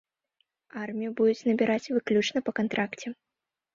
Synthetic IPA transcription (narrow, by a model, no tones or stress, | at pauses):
armʲijubud̪ut͡sʲnɐbʲiɾʔat͡sʲvɨklʲut͡ʂnɐpɐkant̪ɾakt͡sʲɛ